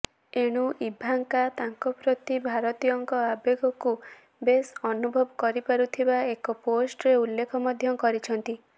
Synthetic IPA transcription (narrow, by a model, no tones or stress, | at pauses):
eɽ̃uʔibʱaŋkat̪aŋkɔpɾɔt̪ibʱaɾɔt̪ijɔŋkɔabeɡɔku | besɔnubʱɔbɔkɔɾipaɾut̪ʰibaekɔposʈɔɾeulːekʰɔmɔd̪ʱjɔkɔɾit͡ʃʰɔnt̪i